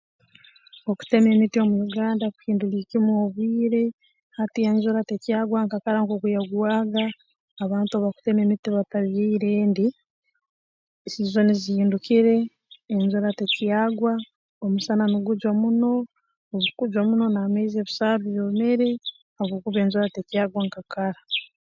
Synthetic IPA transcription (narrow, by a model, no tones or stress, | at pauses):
oku̥te̞me̞mitiomujuɡaːndaku̥hiːnduliːcimwoβwiːɾe̞ | hatieɲzoɾatecijaːɡwaŋkakaɾaŋkokujaɡwaːɡaː | βaːntuaβaku̥te̞me̞mitiβataβiːɾeːndi | siːzo̞niziiːndukiɾe̞ː | ɲzoɾatecijaːɡwa | omusananuɡuɟwamuno̞ | oβukuɟwamuno̞nameizeβusaːβiβjome̞ɾe̞ | aβoːkuβe̞ːɲzoɾatecjaːɡwaŋkakaɾa